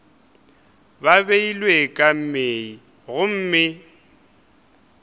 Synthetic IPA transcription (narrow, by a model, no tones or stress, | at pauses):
baβeilwekʼam̩mei | ɣʊm̩ːmɪ